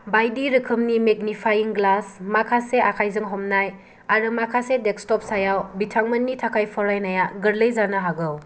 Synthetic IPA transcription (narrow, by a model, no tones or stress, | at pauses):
bajdiɾɯkʰɯmnimeɡ̚nipʰajiŋɡlasmakʰaseakʰajzɯŋɦɔmnaj | aɾɯmakʰasedek̚stɔp̚sajawbitʰaŋmɐnːitʰakʰajpʰɔɾajnajaɡɯɾlɯjzanaɦaɡɯw